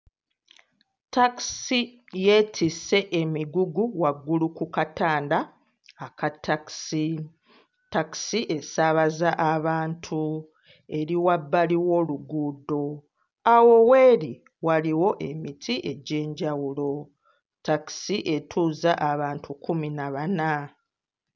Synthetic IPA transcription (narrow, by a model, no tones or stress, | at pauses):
taksi | je̞ːtʰise̞ʔemiɡuɡuwaɡːulukukataːndaː | katʰaksi | taksiʔe̞saβazaʔaβaːntʰu | e̞ɾiwabːaliwo̞ːluɡuːdo̞ | awo̞we̞ːɾi | waliwo̞ʔe̞mitʰiʔe̞ɟe̞ːɲɟawulo̞ | taki̥siʔe̞tʰuːzaʔaβaːntukuminaβana